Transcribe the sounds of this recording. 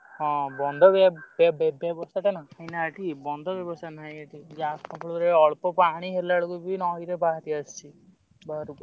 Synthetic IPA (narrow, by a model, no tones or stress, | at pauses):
ɦɔ̃bɔnd̪ʱɔbbbbjɔbɔst̪ʰaʈanahajnaaʈibɔnd̪ʱɔbjɔbɔst̪ʰanaɦajaʈid͡ʒasɔpʰɔɭuɾeɔɭpɔpaɽ̃iɦelaɭɔkubʱinɔiɾebaɦt̪iast͡ʃʰi | baɾukɔ